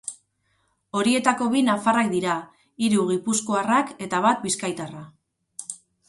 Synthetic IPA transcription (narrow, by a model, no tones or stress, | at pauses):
o̞ɾie̞t̪ako̞βinafarakd̪iɾa | iɾuɣipusko̞arake̞t̪aβat̪̚biskajt̪ara